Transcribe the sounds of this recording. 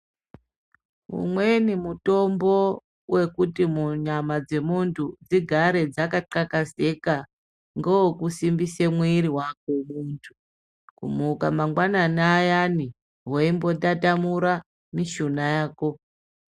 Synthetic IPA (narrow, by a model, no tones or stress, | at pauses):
ṵmwe̞nimuto̞mbo̞ | wʔe̞kutimuɲamad͡ze̞muntʰud͡ziɡʱaɾe̞d͡zakaǃakaze̞ka | ŋɡowokusimbisemwiɾiwakomuːntʰu | kṵmukamaŋɡwananaːjani | ɦwaimbo̞datamuɾa | miʃunajaːko̞